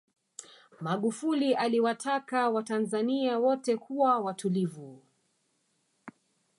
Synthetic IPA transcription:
maɠufuliʔaliwatʰakawatanzaniawɔtɛkuwawatulivu

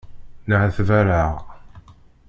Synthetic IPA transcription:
nəʕθvæɾaʁ

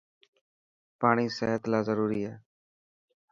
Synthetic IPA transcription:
paːɽ̃iːsəɦət̪laːzəɾuːɾiːɛː

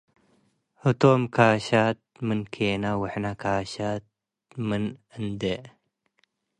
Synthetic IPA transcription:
hɨt̪omkaːɕat̪̚mɨnkʰeːnawəħnakʰaːɕat̪̚ | mɨnɨnd̪e

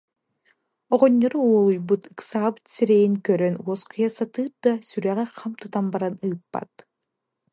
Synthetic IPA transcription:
ɔʁɔnʲːɔɾɯuɔlˠujbut̪ɯksaːbɯt̪siɾejiŋkøɾønuɔskujasat̪ɯːɾ̚d̪asʲyɾæʁɛqʰɑmt̪ut̪ambaɾanɯːpːa̰t̪

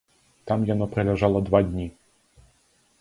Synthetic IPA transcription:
t̪ɑmjɐnɔpɾelʲeʒɑlˠɐd̪ʋadʲnʲi

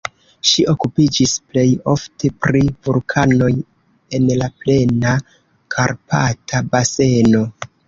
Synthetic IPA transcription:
ʃiʔo̞kupid͡ʒisple̞jo̞ftʰe̞pɾivulkʰano̞j | e̞nlaple̞na | kʰaɾpa̰tʰabase̞no̞

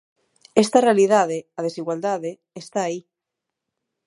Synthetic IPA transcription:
est̪arealiðað̞eað̞esiɣwald̪aðe | est̪aːi

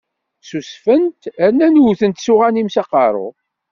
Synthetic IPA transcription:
susfənt̪ænːænwθənt̪suʁænimsɑqɑɾˤʊ̰

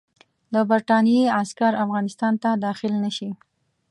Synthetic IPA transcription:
d̪əbaɾʈɑnijeaskaɾafɣɑnɪst̪ɑnt̪ad̪ɑxɪlnaʃi

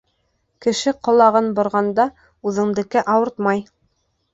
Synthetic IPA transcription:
kɘ̆ʃɘqŏlˠɑʁɤnbŏɾʁɑnd̪ɑ | ʉðɘ̆ŋd̪ɘ̆kɘʔɑwɤɾt̪mɑj

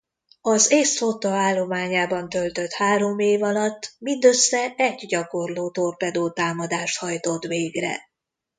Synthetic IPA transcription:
ɒzeːsfot̪ɒaːlːo̞maːɲaːbɒnt̪ølt̪ø̞t̪haːɾo̞meːvɒlɒt̪ːmind̪øsːɛɛɟɟɒko̞rloːt̪o̞rpɛd̪oːt̪aːmɒd̪aːʃt̪hɒjt̪o̞t̪ʋveːɡrɛ̰

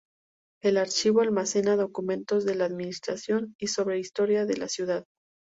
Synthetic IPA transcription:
e̞laɾt͡ʃiβoalmase̞naðo̞kumẽ̞nt̪o̞zðe̞laːðminist̪ɾasjo̞niso̞βɾe̞ist̪o̞ɾjaðe̞lasjuðað

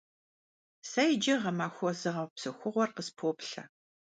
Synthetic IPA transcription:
sɐjd͡ʒɐʁɐmaːxʷɔzɨʁɐwpsɨxʷʊʁʷɔrqəspʰoːpɬɐ̰

